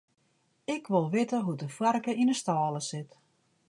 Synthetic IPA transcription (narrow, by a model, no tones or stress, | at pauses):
ɪkʋɪlˠʋɪtəɦudəfwarkəʔinəstaːlˠəsɪt